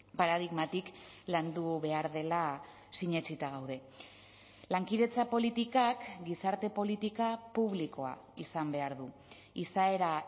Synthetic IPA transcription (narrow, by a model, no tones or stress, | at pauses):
paɾað̞iɣmat̪ik | land̪uβe̞aɾðe̞la | siɲe̞t͡sit̪aɣ̞awðe̞ | laŋkiðe̞t͡sapo̞lit̪ikakɡisaɾt̪e̞po̞lit̪ikapuβ̞liko̞a̰ | isambe̞aɾðu | isae̞ɾa